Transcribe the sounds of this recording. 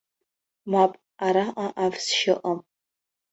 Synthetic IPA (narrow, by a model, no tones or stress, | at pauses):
mapʼ | aɾaʔaʔavsʃɪʔʼəm